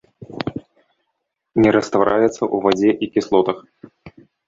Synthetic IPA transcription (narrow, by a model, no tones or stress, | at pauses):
nʲɛɾɐst̪vaɾʔajɛt̪səʔuvad͡zʲɛʔikʲɪslˠɔt̪ɐx